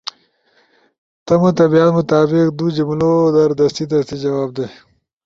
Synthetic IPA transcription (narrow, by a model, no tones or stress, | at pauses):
t̪ɐmut̪ɐbijat̪mʊt̪aːbɪqd̪ud͡ʒimlod̪ɐɾd̪ɐst̪id̪ɐst̪id͡ʒɐwaːb̚d̪e